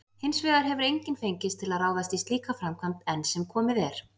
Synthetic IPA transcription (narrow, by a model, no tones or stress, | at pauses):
hɪnsvɛːðaɾ̥ɦɛvʏɾejɲcɪnfejɲcɪst̪ʰɪlaðraːwðas̬t̪ist̪liːkafɾamkʰvant̪ɛnsɛmkʰɔːmɪðɛɾ̥